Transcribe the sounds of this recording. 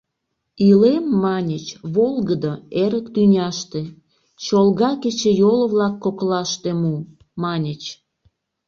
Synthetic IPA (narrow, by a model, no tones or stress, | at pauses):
ilemːɑnʲət͡ɕβolˠɣəd̪əeɾəkt̪ynʲɑʃt̪e | t͡ɕolɣɑket͡ɕĕjoləβlɑkːoklɑʃt̪emu | mɑnʲət͡ɕ